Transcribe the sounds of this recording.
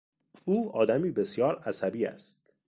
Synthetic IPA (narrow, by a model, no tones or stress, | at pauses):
ʔuːɒːd̪æmiːbe̞sjɒːɾæsæbiːæ̰st̪̚